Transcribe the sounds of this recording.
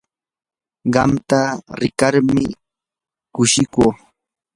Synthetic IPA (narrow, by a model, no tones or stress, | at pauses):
ɢɑmt̪aɾɪkaɾmɪ | kʊʃɪkoː